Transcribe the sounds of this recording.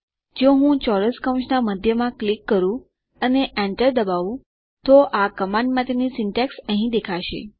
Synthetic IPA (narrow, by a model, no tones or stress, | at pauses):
d͡ʒoɦũt͡ʃɔɾəskəw̃t͡ʃnaməd̪ʱjəmãklikːəɾũ | əneʔɛ̃ɳʈəɾd̪əbaʋũ | t̪oʔakəmãɳɖmãt̪enisɪɳʈɛksə̃ɦĩd̪ekʰaʃḛ